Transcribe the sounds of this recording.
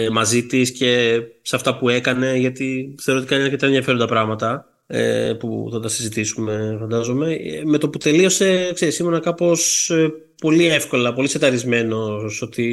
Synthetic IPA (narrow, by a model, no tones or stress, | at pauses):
mɐzit̪isce̞seɐft̪ɐpue̞kɐne̞ʝɐt̪iθeot̪ikɐɲɐɐɾkcet̪ɐenðjɐfe̞ɾond̪ɐpɾɐɣmɐt̪ɐ | ḛpṵθɐt̪ɐsizit̪isume̞fɐnd̪ɐzo̞me̞me̞t̪oput̪e̞lio̞se̞kseɾisimfo̞nɐkɐpo̞spo̞lie̞fko̞lɐpo̞liset̪ɐɾizme̞no̞so̞t̪i